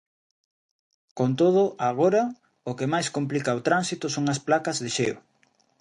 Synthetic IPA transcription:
kont̪̬oð̞ʊʔaɣoɾɐ | ʊkemajskomplikɐot̪ɾansit̪ʊsoŋɐsplakɐzðɪʃeo̰

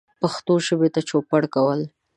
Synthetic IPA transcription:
paxt̪oʃəbet̪at͡ʃopaɽkawəl

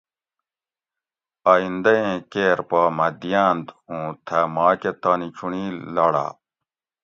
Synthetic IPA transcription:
aːĩnd̪ɐẽːkeːɾpaːmɐd̪ijaːnd̪ũːt̪ʰɐmaːket̪aːnit͡ɕʰunilɐɽa̰ː

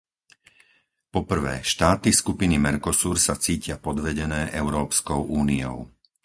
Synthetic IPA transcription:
pɔpr̩ʋɛ̰ːʃt̪aːt̪iskupinimɛɾkɔsuːɾsat͡siːcɪapɔd̪ʋɛɟɛnɛːʔɛʊɾɔːpskɔʊʔuːniɔ̰ʊ

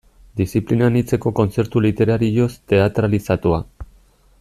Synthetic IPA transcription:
d̪isiplinanit͡se̞ko̞ko̞nt͡se̞ɾt̪ulit̪e̞ɾaɾio̞st̪e̞at̪ɾalisat̪ua

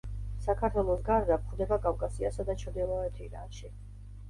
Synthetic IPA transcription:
sakʰaɾt̪ʰwɛlˠɔsɡaɾd̪ap̚χd̪ɛbakʼavkʼasiasad̪at͡ʃʰɔd̪ilˠɔɛt̪ʰiɾaʃi

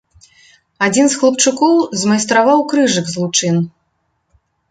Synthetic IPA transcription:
ad͡zʲinsxlˠɐpt͡ʂukɔwzmɐjst̪ɾavawkɾɨʐɨɡzlˠut͡ʂɨn

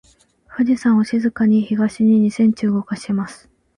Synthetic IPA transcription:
ɸɯ̟d͡ʑisãɰ̃o̞ɕizɨkaɲ̟içiɡaɕiɲ̟iɲ̟isẽ̞ɲ̟t͡ɕɨːɡo̞kaɕi̥emasɨ̥

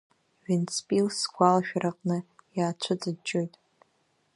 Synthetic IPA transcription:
ɥɪnt͡spʼilsɡʷalaʃᶣaraqʼnɨjaːt͡ʃʷʰʊd͡zʼɨt͡ʃʼːojtʼ

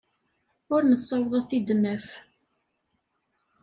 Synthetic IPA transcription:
ʊɾnəsːɑwðˤɑθid̪nəf

